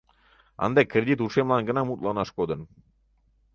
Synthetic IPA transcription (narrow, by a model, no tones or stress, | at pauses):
ɑ̰nd̪ɑkrʲed̪ʲit̪uʂemlˠɑnɡə̆nɑmut̪lˠɑnɑʂkod̪ɤ̆n